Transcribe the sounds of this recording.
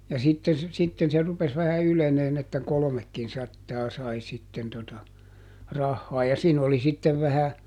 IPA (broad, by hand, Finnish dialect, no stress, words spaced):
jɑ sitːen̞ se sitːen se rupes ʋæhæ yleneːn etːæ kolomekːinsɑtːɑː sɑi sitːen totɑ rɑhːɑː jɑ siːn oli sitːeʋ ʋæhæ